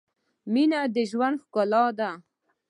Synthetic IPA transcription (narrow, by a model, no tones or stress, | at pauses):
minad̪əʒwand̪xkolɑd̪a